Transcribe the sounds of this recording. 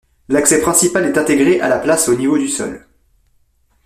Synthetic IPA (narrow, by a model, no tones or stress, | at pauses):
laksɛpχɛ̃sipalɛt̪ɛ̃t̪eɡʁeʔa̰laplasonivod̪ysɔ̰l